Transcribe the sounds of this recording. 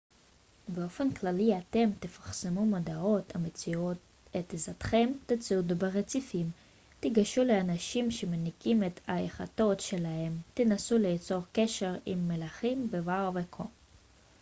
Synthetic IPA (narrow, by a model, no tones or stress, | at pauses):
beo̞fe̞nklaliat̪e̞mt̪efḁχsemumadao̞t̪ʰamet͡siot | et̪ezat̪χe̞mt̪at͡siud̪beʁet͡sifim | t̪iɡaʃuleanaʃimʃe̞menikimet̪aeχa̰to̞tʃe̞lahe̞mt̪inasulet͡so̞ʁkeʃe̞ʁimːelaχimbevaʁvekʰo